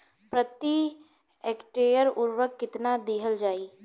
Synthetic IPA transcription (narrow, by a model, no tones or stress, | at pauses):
pɾət̪i | eːkʈeːjəɾʊɾʋəkːɪt̪nad̪eːɦəld͡ʒaːiː